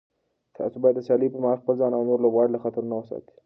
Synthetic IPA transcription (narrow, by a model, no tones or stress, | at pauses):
t̪ʰɑ̰sobɑjad̪ːəsɑlipəmɑxpəlzɑnawnoɾlobɣɑɽilaxat̪aɾunawəsɑ̰t̪i̥